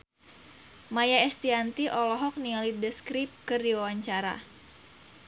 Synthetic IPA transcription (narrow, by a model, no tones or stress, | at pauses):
majaɛst̪iant̪iʔɔlɔɦɔk̚nialidəskɾip̚kɨrdiwawaɲt͡ʃaɾa̰